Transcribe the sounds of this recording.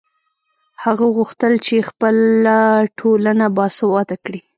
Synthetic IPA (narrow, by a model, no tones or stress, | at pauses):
haɣaɣuxt̪əlt͡ʃexpəlaʈʰolanabɑsawɑt̪akɽi